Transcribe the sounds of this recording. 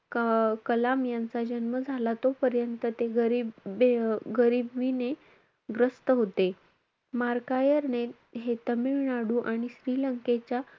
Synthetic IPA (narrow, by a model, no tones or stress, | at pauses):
kkəlamjant͡sad͡ʑənməd͡zʱalat̪opəɾjənt̪ət̪eɡəɾi | ɡəɾibʋine | ɡɾəst̪əɦot̪e | maɾkajəɾne | ɦet̪əmiɭɳaɽuːʔaɽ̃iɕɾiːləŋket͡ɕja